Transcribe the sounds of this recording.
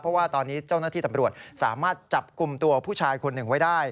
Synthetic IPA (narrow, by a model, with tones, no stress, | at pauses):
pʰɾɔ˦˥waː˥˩t̪ɔː˧nːiː˦˥t͡ɕa˥˩wnaː˥˩t̪ʰiː˥˩t̪a˧mɾu˨˩ət̪̚saː˩˦maː˥˩t̪̚t͡ɕa˨˩p̚ku˨mt̪u˧ɐpʰuː˥˩t͡ɕʰaː˧jkʰo˧nːɯ˨˩ŋwa˦˥jdaː˥˩j